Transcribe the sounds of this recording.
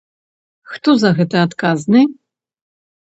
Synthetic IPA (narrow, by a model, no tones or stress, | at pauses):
xt̪ɔzɐɣɛt̪ɨat̪kaznɨ